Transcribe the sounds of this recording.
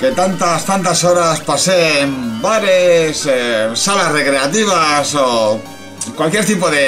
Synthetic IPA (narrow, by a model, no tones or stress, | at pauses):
ke̞t̪ant̪ast̪ant̪aso̞ɾaspasembaɾessalasre̞kɾe̞at̪iβ̞aso | kwalkjeɾt̪ipoðe